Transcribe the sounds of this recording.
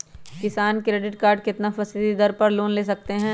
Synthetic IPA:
kɪsaːnkɾeːɖɪʈkaːɾɖkɪt̪nafɐsɪd̪id̪ɐɾpɐɾloːnleːsɐk̚t̪eɦɛ̃ː

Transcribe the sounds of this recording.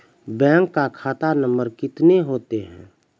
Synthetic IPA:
bɛ̃ːŋkːakʰaːt̪anə̃mbəɾkɪt̪neɦoːt̪eɦɛ̰̃ː

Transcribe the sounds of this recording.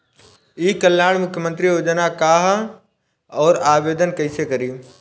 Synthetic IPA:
iːkɐljaːɽ̃mʊkʰjəmə̃nt̪ɾijoːd͡ʒənakaːɦ | ɔːɾaːʋeːd̪ənkɐɪsekɐɾiː

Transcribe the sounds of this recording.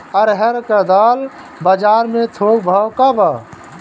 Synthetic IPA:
əɾɦəɾkəd̪aːl | bəd͡ʒaːɾmẽt̪ʰoːɡ̚bʱawkabaː

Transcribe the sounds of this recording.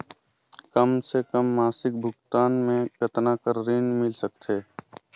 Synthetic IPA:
kəmsekəmːaːsɪk̚bʱʊɡt̪aːnmẽkət̪nakəɾɾiːnmɪlsək̚t̪ʰeː

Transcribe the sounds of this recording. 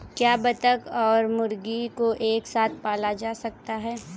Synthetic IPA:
kjaːbɐt̪əkɔːɾmʊɾɡikoʔeːksaːt̪̚ʰpaːlad͡ʒaːsɐk̚t̪aɦɛː

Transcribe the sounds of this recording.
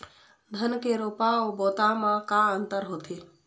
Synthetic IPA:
d̪ʱənkeɾoːpaoːboːt̪amãkaənt̪əɾɦoːt̪ʰeː

